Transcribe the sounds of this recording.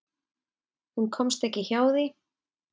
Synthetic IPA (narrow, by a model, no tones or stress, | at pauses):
hunkʰɔmst̪ɛhcɪçaːwði